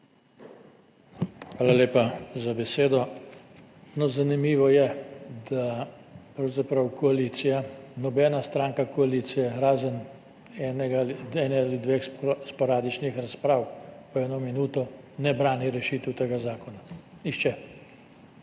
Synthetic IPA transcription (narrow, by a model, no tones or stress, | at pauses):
xʋaːlaleːpazabɛseːd̪ɔ | nɔzanimiːʋɔjɛd̪apɾɐwzapɾɐwkʰɔaliːt̪sijanɔbɛːnast̪ɾaːŋkakɔaliːt̪sijɛɾaːzən | ɛːnɛɡaliɛːnɛalid̪ʋeːxspɔɾaːd̪it͡ʃnixɾaspɾaːwpɔɛːnɔminuːt̪ɔ | nɛbɾaːniɾɛʃiːt̪əwt̪eɡazaːkɔna | iʃt͡ʃɛ